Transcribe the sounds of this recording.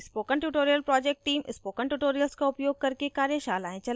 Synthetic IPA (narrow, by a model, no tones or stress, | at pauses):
ɪspoːkəɳʈuʈoːɾijəlpɾɔːd͡ʒeːk̚ʈʈːiːmɪspoːkəɳʈuːʈoːɾijəlskaʊpjoːɡ̚kɐɾkekaːɾjəʃaːlaːẽt͡ʃɐl